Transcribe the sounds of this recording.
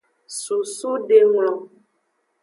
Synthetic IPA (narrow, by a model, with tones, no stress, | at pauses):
su˨su˦ɖe˨ŋlɔ̃˨